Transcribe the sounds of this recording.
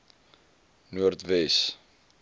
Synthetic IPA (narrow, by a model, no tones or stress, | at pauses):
nuərt̪vɛs